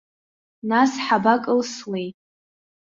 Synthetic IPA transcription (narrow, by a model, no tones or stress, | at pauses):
nasħabakʼɨlswej